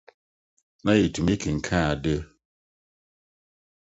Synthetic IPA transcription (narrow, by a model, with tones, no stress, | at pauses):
na˦ji˨tu˨mi˦kʰe˨ŋ̩˨kʰã˦˨a˨de˦